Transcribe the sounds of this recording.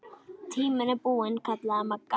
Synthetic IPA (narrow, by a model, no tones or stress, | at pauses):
t̪ʰiːmɐnɐpuːɐnkʰɐt̪laːmɐkːa